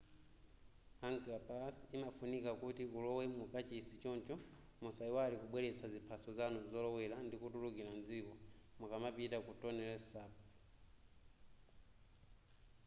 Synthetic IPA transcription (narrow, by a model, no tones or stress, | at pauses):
aŋkapasimafunikakutiulɔwɛmupat͡ʃisit͡ʃɔnt͡ʃɔ | musaiwalikuɓwɛlɛt͡sʰazipʰasɔzanuzɔlɔwɛlandikutulukiland͡zikɔmukamapitakutɔnɛlɛsaːpɔ